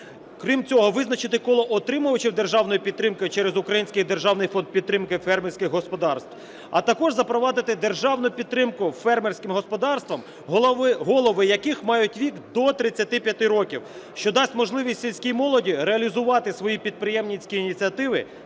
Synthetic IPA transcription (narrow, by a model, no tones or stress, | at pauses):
kɾʲimt͡sʲɔɦɔʋɪznɐt͡ʃɪt̪ɪkɔlˠɔʔɔt̪ɾɪmʊjʊt͡ʃɪwd̪erʒɑwnɔjipʲid̪ːɾɪmkɪjt͡ʃɛɾezʊkɾɐjinʲsʲkɪjd̪erʒɑwnɪjfɔnd̪̚pʲid̪ɾɪmkɪfɛrmersʲkʲɪxɦɔspɔd̪ɑrst̪w | ɐ̰t̪ɐkɔʒzɐpɾɔʋɑd̪ɪt̪ɪd̪erʒɑwnʊpʲid̪ɾɪmkʊfɛrmersʲkɪmɦɔspɔd̪ɑrst̪ʋɐm | ɦˠɦɔlˠɔʋɪjɐkɪxmɑjʊtʲʋʲikd̪ɔt̪ɾɪt͡sʲːɐt̪ɪpʲjɐt̪ɪɾɔkʲiw | ʃt͡ʃɔd̪ɑsʲtʲmɔʒlˠɪʋʲisʲtʲsʲilʲsʲkʲijmɔlˠɔdʲiɾeɐlʲizʊʋɑt̪ɪsʋɔjipʲid̪̚pɾɪjɛmnʲisʲkʲiːnʲit͡sʲiɐt̪ɪʋɪ